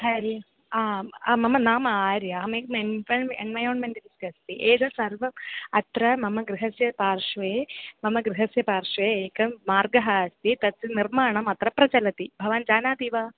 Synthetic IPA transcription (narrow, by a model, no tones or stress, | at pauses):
ɐɾi | aːmɐmɐnaːmɐaːɾjaːmeːkmenɐɳḛnʋɐjoːɳmeɳʈ̪iniskɐst̪iʔeːd̪ɐsɐɾʋɐɐt̪ɾɐmɐmɐɡɾiɦɐsjɐpaːɾʂʋeːmɐmɐɡɾiɦɐsjɐpaːɾʂʋeːeːkɐmaːɾɡɐɦɐɐst̪it̪ɐt̪ːɐniɾmaːɳɐmɐt̪ɾɐpɾɐt͡ʃɐlɐt̪ibʱɐʋaːnd͡ʒaːnaːd̪iːʋaː